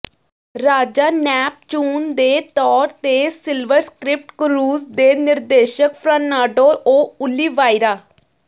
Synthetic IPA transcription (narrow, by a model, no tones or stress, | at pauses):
ɾaːd͡ʒaːnɛːp̚t͡ʃuːnd̪eːt̪ɔːɾt̪eːsɪlʋəɾskɾɪp̚ʈkɾuːzd̪eːnɪɾd̪eːʃəkpʰɾaːnaːɖoːʔoːʊlːiːʋaːiɾaː